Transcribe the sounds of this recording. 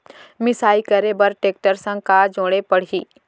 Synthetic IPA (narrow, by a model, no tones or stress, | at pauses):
mɪsaːikəɾebɐɾʈeːk̚ʈəɾsə̃ŋkad͡ʒõːɽepɐɽ̤iː